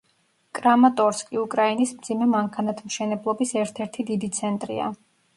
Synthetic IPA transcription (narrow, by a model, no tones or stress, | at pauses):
kʼɾamat̪ʼɔɾskʼiukʼɾainismd̪zimɛmaŋkʰanat̪ʰmʃɛnɛblˠɔbisɛɾt̪ʰɛɾt̪ʰid̪id̪it̪sʰɛnt̪ʼɾḭa̰